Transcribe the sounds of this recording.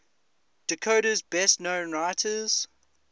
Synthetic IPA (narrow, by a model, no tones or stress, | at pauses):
d̥əkʰoʊɾəzbɛstnõʊ̃nɹaɪtʰəz̥